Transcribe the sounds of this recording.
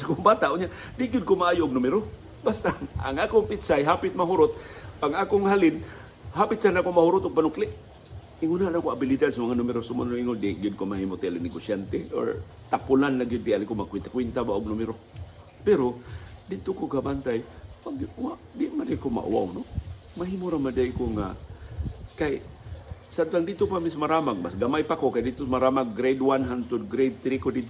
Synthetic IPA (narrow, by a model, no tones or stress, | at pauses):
sakʊŋbaːt̪aʔʊɲa | d̪ɪɡɪd̪̚komaʔaːjʊʔʊɡ̚nʊmɪɾo | bast̪aʔa̰ŋʔaːkʊŋpɪt̪sajɦapɪt̪̚maɦʊɾʊt̪̚ʔaŋaːkʊŋhalɪn | hapɪt̪sanakomahʊɾʊt̪ʊɡ̚panʊklɪʔ | ɪŋʊnanakoabɪlɪd̪ad̪samaŋanʊmɪɾosʊma̰nniŋʊnd̪iɡɪd̪̚komaɦimot̪ɪʔalɪnɪɡosjant̪eʔo̰ɹ | t̪apʊlanlaɡɪd̪̚ːɪalɪkomakwɪnt̪akwɛnt̪abaʊɡ̚nʊmɪɾo | pɛɾod̪ɪd̪̚t̪okoɡabant̪ajwaɡwad̪ɪʔmadakoma̰ʔṵwa̰wno | maɦiːmoɾamadaikoŋa̰ | kaj | sad̪t̪and̪ɪd̪̚t̪opamismaɾamaɡ̚masɡamajpakokajd̪ɪd̪t̪osmaɾamaɡɾejd̪wanɦant̪ʊd̪̚ɡɾejd̪̚t̪ɾikod̪ɪd̪̚t̪